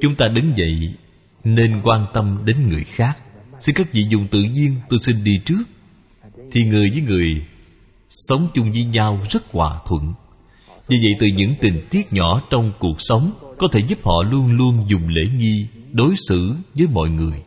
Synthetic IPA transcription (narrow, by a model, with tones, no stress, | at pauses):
t͡ɕʊ˨˦ŋ͡mt̪aː˧ɗɨ˨˦ŋvə̰˧˨j | ne˧nkwaː˧nt̪ə˧mɗe˨˦nŋɨ˨˩əjxaː˦˥k̚si˧nkaː˦˥k̚vḭ˧˨zʊ̰˧˨ŋ͡mt̪ɨ̰˧˨ɲi˧ənŋt̪o˧jsi˧nɗi˧t͡ɕɨ˦˥ək̚ | t̪ʰi˨˩ŋɨ˨˩əjvəː˨˦jŋɨ˨˩əj | sə˨˦wŋ͡mt͡ɕʊ˧ŋ͡mzə˨˦ɲa˧wzə˦˥t̚kwa̰ː˨˩t̪ʰwə̰˧˨n | ɲi˧˩və̰˧˨jt̪ɨ˨˩ɲɨ̰˧˥ŋt̪ï˨˩ŋ̟t̪i˦˥ət̚ɲɔ̰˧˥t͡ɕɔ˧wŋ͡mku˨˩ək̚sə˨˦wŋ͡mkɔ˨˦t̪ʰe˧˩zu˦˥p̚hɔ̰˧˨lu˧ənlu˧ənzʊ˨˩ŋ͡mlḛ˧˥ŋi˧ɗo˨˦jsɨ̰˧˥vəː˨˦jmɔ̰˧˨jŋɨ˨˩əj